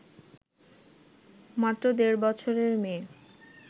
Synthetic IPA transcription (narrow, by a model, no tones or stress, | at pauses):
mat̪ːɾod̪eɾbɔt͡ɕʰoɾeɾmeː